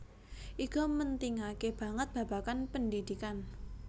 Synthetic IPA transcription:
ʔikɔmənt̪iŋakeb̥ä̤ŋət̪̚b̥ä̤b̥a̤kanpəndid̪̥ikan

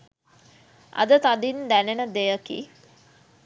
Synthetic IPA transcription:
ʔɐ̰d̪ət̪ad̪ind̪ænenəd̪ejəkḭ

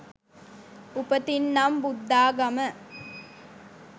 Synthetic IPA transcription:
upət̪inːɐmbud̪ːaːɡɐmə

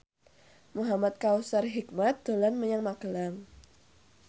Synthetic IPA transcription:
muɦamat̪̚kawsarɦik̚mat̪̚d̪̥olanməɲaŋmaɡ̥əlaŋ

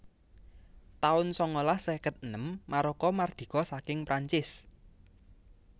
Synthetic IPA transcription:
t̪aʊnsɔŋolahsɛkət̪̚nəmːaɾɔkɔmard̪̥i̤kɔsakɪŋpɾaɲt͡ʃɪs

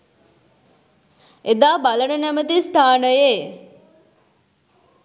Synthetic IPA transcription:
ed̪aːbalənənæmət̪̬ist̪ʰaːnəje

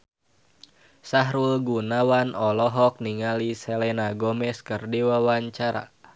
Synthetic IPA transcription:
saɦɾulɡunawanɔlɔɦɔk̚niŋaliselɛnaɡɔmɛskɨrdiwawaɲt͡ʃaɾa̰

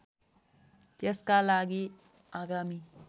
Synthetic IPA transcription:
t̪eskalaɡi | aɡami

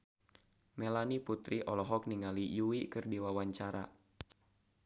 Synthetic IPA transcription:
mɛlaniput̪ɾiʔɔlɔɦɔk̚niŋalijuwikɨrdiwawaɲt͡ʃaɾa̰

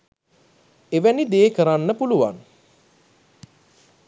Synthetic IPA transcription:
eʋænid̪eːkəɾanːəpuluʋa̰ŋ

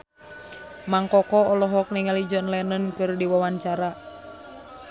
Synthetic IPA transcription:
maŋkɔkɔɔlɔɦɔk̚nɛŋalid͡ʒɔnlɛnənkɨrdiwawaɲt͡ʃaɾa

